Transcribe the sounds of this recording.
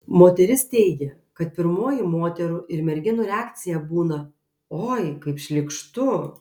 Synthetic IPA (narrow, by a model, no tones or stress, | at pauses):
moːt̪ʲɛɾʲɪst̪ʲɛɪɡʲɛ | kɐt̪pʲɪɾmoːjɪmoːt̪ʲɛɾʊʔɪɾmʲɛɾʲɡʲɪnʊɾʲɛaːkt̪sʲɪjɛbuːnɐ | oːjkɐɪpʃʲlʲɪkʃt̪ʊ